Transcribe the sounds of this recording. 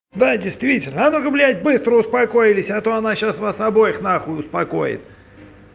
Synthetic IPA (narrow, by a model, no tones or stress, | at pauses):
d̪adʲɪjst̪vʲitʲɪlʲnəɐnokəblʲætʲbɨst̪ɾəʊspɐko̞jɪlʲɪsʲat̪oɐnaɕasvasɐbo̞jɪxnaxʊʊspɐko̞̰jɪ̰t̪